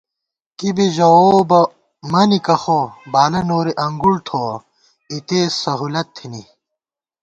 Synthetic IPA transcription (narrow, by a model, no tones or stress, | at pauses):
kibiʑɐoːbɐ | mɐnikɐxobaːlɐnoːɾiʔɐŋɡuɽt̪ʰo | it̪eːsɐɦuːlɐt̪ʰːini